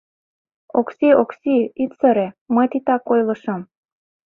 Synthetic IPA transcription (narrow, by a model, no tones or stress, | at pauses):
oksioksiit̪səɾĕmət̪it̪ɑkojlɤ̆ʃɤ̆m